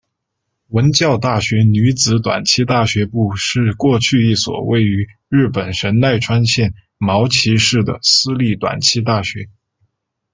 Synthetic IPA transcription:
wə˧˥nt͡ɕjɑ˥˧ʊt̪a˥˩ɕɥɛ˧˥ny˧˥t͡sɹ̩˧˥t̪wa̰˨˩nt͡ɕʰi˥t̪a˥˩ɕɥɛ˧˥pu˥˧ʂɻ̩˥˧kwɔ˥˧t͡ɕʰy˥˧i˥˩swɔ̰˨˩we˥˩ɪy˧˥ɻɻ̩˥˩pə˨˩nʂə˧˥nna˥˩ɪʈ͡ʂʰwa˥nɕjɛ˥˩n | mɑ˧˥ʊt͡ɕʰi˧˥ʂɻ̩˥˩d̪ə̰˩sɹ̩˥li˥˩t̪wa̰˨˩nt͡ɕʰi˥t̪̬a˥˩ɕɥɛ˧˥

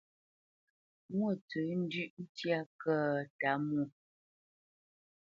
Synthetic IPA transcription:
mwə˦˨tə˨˦n̩˦dʉ˦ʔn̩˦tja˦˨kə˦˨ta˨˦mu˦˨

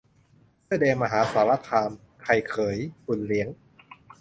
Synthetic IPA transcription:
pʰɯ˥˩deː˧ma˧ɦaː˩˦saː˩˦wa˦˧˥t̪ʰaː˧m | kʰa˧˩jkʰɤː˩˦jfu˨˩nli˩˦əŋ

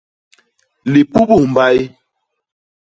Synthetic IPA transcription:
li˨pu˦bu˦˨m˨ba˦ji˦

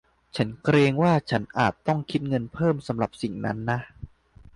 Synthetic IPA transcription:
t͡ɕʰa˦˥nkɾeː˧ŋwaː˥˩t͡ɕʰa˦˥nʔaː˨˩t̪ːɔ˥˩ŋkʰi˦˥t̪̚ŋɤ˧npʰɤː˥˩msa˩˦mɾa˨˩p̚si˨˩ŋna̰˦˥nːa˦˥ʔ

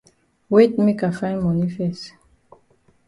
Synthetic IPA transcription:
wetmi˦ka˨fã˦jnma˨nifɛst

